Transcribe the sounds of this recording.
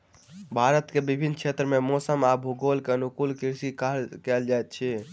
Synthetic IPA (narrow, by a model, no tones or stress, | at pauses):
bʱaɾət̪kebibʱinːt͡ʃʰet̪ɾəmemosəmabʱuɡolkeənukulkiɾsikakɛld͡ʒajt̪̚t͡ʃʰɛ